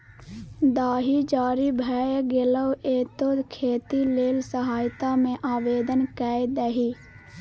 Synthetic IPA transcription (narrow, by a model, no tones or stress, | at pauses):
d̪aːɦid͡ʒaːɾibʱɛːjɡɪləweːt̪oːd̪kʰeːt̪ileːlsəɦaːjt̪amẽʔaːʋeːd̪ənkaːd̪əɦiː